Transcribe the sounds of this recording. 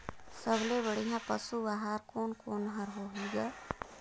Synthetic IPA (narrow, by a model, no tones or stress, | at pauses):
səblebəɽiɦãpəsubaɦaɾkonkonɦʌɾɦoɦuɡʌ